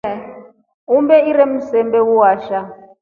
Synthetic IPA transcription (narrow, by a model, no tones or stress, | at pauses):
umbɛiɾɛm̩sɛmbɛwuwaːʃa